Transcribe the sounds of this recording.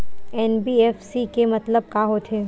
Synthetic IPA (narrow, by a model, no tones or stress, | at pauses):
ɛːnbiːɛːfsikemɐt̪ləb̚kaːɦot̪ʰeː